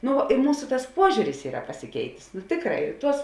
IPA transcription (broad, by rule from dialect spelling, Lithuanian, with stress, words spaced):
ˈnʊ ɪ ˈmuːsʊ tɐs ˈpuɔʒʲuːrʲɪs ˈiːrɐ pɐsʲɪˈkʲɛɪtʲeːs nʊ ˈtʲeːkˌrɑː ɪr ˈtuɔs